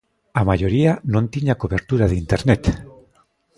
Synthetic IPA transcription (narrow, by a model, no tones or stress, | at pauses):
amajoɾianõnt̪iɲakoβeɾt̪uɾaðint̪eɾnet̪